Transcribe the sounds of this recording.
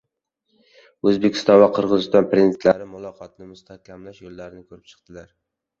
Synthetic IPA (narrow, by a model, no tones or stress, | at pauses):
ɵzbekʲʰɪ̥st̪ɒnvaqʰɨɾʁɨzɪst̪ɒnpɾezt̪laɾɪmʊlˠɒqʰɒt̪̚nɪmʊst̪ʰakʲʰamlaʃjolːaɾɪnɪkʰɵɾɪp̚t͡ʃʰɨ̥qt̪ɪlaɾ